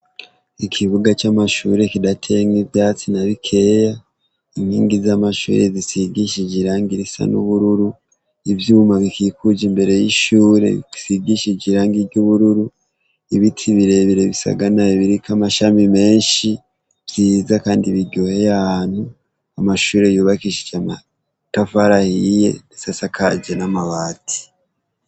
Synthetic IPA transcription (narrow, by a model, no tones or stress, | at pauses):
ikʰiβuɡat͡ʃamaʃṵːɾe̞kidatʰe̞ŋivjaːt͡sinaβikʰe̞ːja | imhiːŋɡizamaʃṵːɾezisiɡiʃid͡ʒiɾaːŋɡiɾisa̰nṵβuɾuɾu | ivjuːmaβikikud͡ʒimbe̞ɾe̞jiʃuːɾe̞̰ḭisiɡiʃid͡ʒiɾaːŋɡiɾɟuβuɾuɾu | iβitʰiβiɾe̞βiɾe̞βisa̰ɡanaeβiɾikamaʃamime̞ːɲʃi | vziːzakaːndiβiɟohe̞jahaːn̥hu | amaʃuːɾe̞juːβakiʃi̥d͡ʒama̰ | tafaɾahije̞̰nisasakʰaɟenamaβaːtʰi̥